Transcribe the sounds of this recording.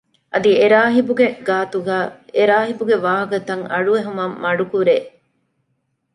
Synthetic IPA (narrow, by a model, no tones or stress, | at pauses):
ʔɐd̪ieɾaːɦibuɡeɡaːt̪uɡæːeɾaːɦibuɡeʋaːɦɐkɐt̪ɐŋɐɭueɦumɐmːɐɖukuɾeː